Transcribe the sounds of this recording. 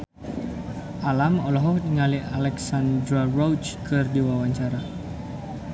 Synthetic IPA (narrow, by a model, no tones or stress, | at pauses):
ʔalamɔlɔɦɔhdiŋalialɛksand̪ɾarɔwt͡ʃkɨrdiwawaɲt͡ʃaɾa